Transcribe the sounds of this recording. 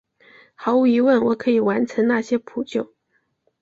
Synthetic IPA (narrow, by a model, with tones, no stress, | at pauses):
xɑ˧˥ʊu˧˥i˧˥wə˥˩nwɔ˨˩˦kʰɤ˧˥i˨˩wa˧˥nʈ͡ʂʰə˧˥nna˥˩ɕjɛ˥pʰu˨˩t͡ɕjo˥˩ʊ